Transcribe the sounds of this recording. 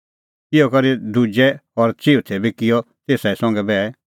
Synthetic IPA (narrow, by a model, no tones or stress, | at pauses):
ɪjɔkɐɾid̪ʱud͡ʒɛɔɾt͡ʃiːut̪ʰɛbikɪjɔ | t̪eːsaɛsɔ̃ŋ̆ɡɛbɛː